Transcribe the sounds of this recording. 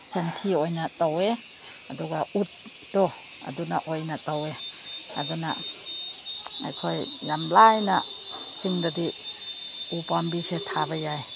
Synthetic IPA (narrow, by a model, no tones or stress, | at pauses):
sentʰiojnatawe | ɐduɡaut̚ː | ɔ | a̰dunaʔojnataweɐ̰duna̰ | a̰jkʰojːamlajnat͡ʃiŋdadi | upambisetʰabajaj